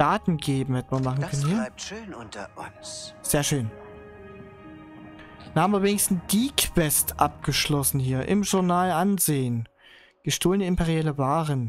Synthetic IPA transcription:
d̥aːtn̩ɡeːbm̩hɛtən̩vːɐmaχn̩kʰœnənhiiːɐ | z̥eːɐʃøːn | danhaːbmviɐveːnɪçstn̩d̥iːkv̥ɛstʔap̚ɡ̥əʃlɔsn̩hiːɐʔɪ̰mʒʊɐnaːlʔanzeːən | ɡ̥əʃtoːlənəɪmpɛʁiɛːləvaːʁən

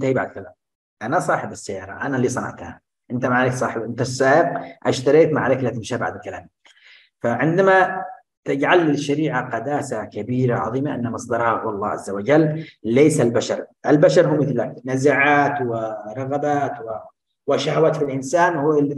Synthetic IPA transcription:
ʔt̪ahiba̰ʕd̪̚kalaːm | ʔanasˤɑːħɪbasːajːɑːɾˤɑ̰ʔanalːiːsˤɑnɑ̰ʕt̪ha̰ | ʔɪnt̪amaʕlaːksˤɑ̰ːħɪbʔɪnt̪asːaːʔɪq̚ʔaʃt̪ɑɾˤiːt̪maʕlaklːaːt̪ɪmʃaba̰ʕd̪ɪkala̰ːm | faʕɪnd̪ama | t̪ɪd͡ʒʕalːɪlʃːaɾiːʕaqɑd̪aːsakabiːɾaʕɑ̰ðˤiːmaʔɪ̰nːamɑsˤd̪ɑɾˤhɑhɑlˤːɑ̰ːʕa̰zːawad͡ʒalːleːsalbaʃɑɾˤʔɪlbaʃɑɾˤɦuːmɪθlːaknazaʕaːt̪wɪɾˤɑɣabaːt̪wɪ | wɪʃahawaːt̪filʔɪnsaːnhul

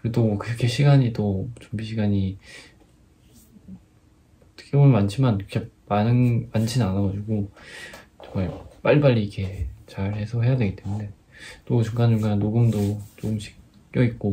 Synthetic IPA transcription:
kɯɾedokɯɾkʰeɕʰiɡaɲidot͡ɕumbiɕʰiɡaɲi | tʰɯ̥k͈ʰjomɯnmant͡ɕʰimanokʰemanɯnmant͡ɕʰinnanaɡʌd͡ʑiɡo | t͡ɕʌŋmaɭp͈aɭːip͈aʎːiikʰe̞t͡ɕaɭhe̞sʰʌɦe̞jadwe̞ɡit͈emune̞ | t͈ot͡ɕuŋɡand͡ʑuŋɡannoɡɯmdot͡ɕoɡɯmɕʰi̥k | k͈jʌik̚k͈o

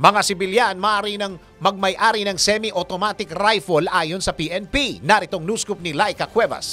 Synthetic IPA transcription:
mɐŋasɪbɪljanmɐʔaːɾinɐŋ | mɐɡ̚mɐjʔaːɾinɐŋsɛmiʔot̪omat̪ɪkɾajfolʔaːjonsɐpiʔɛnpinɐɾɪt̪oŋnuːskʊp̚nɪlajkɐkwɛbɐ̰s

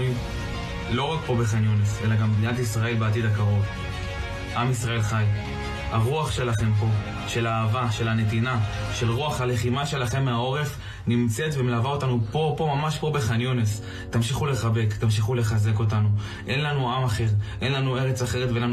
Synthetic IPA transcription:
im | lo̞ʁakpo̞be̞χanjonesʔe̞laɡambd̪inatisʁae̞lbeat̬id̪akaʁo̞v | ʔamisʁae̞lχaj | aʁuaχʃe̞laχe̞mpo̞ | ʃe̞laːvaʃe̞lane̞t̪̬inaʃe̞lʁuaχale̞χimaʃe̞laχe̞mːeao̞ʁe̞f | nimt͡se̞t̪vemelavao̞tanupo̞po̞mamaʃpo̞be̞χanjones | t̪amʃiχule̞χabe̞kt̪amʃ̬iχule̞χaze̞ko̞t̬anu | ʔe̞nlanuamaχe̞ʁʔe̞nlanue̞ʁet͡saχe̞ʁetveenlan

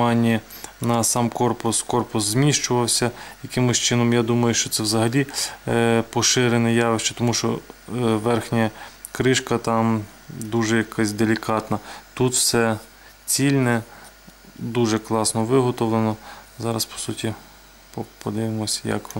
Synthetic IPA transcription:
ɑnʲːi | nɐsɑmkɔrpʊskɔrpʊszʲmʲiʃt͡ʃʊʋɐwsʲɐjɐkɪmʊsʲt͡ʃɪnɔmjad̪umɐjʊʃt͡ʃɔt̪sɛwzɐɦɐlʲi | pɔʃɪɾenɪjɑʋɪʃt͡ʃɐ̥t̪ɔmuʃt͡ʃɔʋɛrxnʲɐ | kɾɪʃkɐt̪ɑm | d̪uʒɛjɐkɑsʲd̪elʲikɑt̪nɐt̪ut̪wsɛ | t͡sʲilʲnɛ | d̪uʒɛklˠɑsnɔʋɪɦɔt̪ɔʋlˠenɔzɑɾɐspɔ̥sutʲi | pɔpɔd̪ɪʋɪmɔsʲjɐ̰k

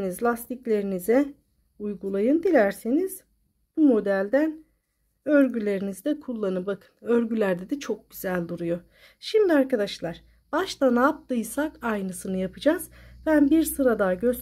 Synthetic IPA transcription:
nizlʲast̪ʰiclʲe̞ɾinizɛ | ujɡulˠajɯnd̪ilʲæɾseniz̥ | bumo̞d̪ælʲd̪æn | øɾɟylʲe̞ɾinizd̪ɛkʰulˠːanɯbakʰɯ̥nøɾɟylʲæɾd̪ɛd̪ɛt͡ʃʰo̞k̚ɟyzælʲd̪uɾujo̞ | ʃimd̪iaɾkad̪aʃlˠaɾ̥ | b̥aʃt̪anap̚d̪ɯjsakajnɯsɯnɯjapʰɯd͡ʒaz̥bænbiɾsɯɾad̪aɟøs

